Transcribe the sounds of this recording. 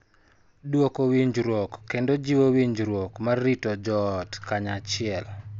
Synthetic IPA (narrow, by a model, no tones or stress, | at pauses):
dwokowiɲd͡ʒɾwokːendod͡ʒiwowiɲd͡ʒɾwokmarːitod͡ʒɔtkaɲat͡ʃɪɛl